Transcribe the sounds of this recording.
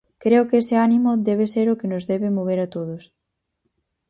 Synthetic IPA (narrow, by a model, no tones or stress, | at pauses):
kɾeʊkesɪanimʊd̪ɛβ̞eseɾʊkɪnʊzðɛβɪmoβ̞eɾat̪oðʊs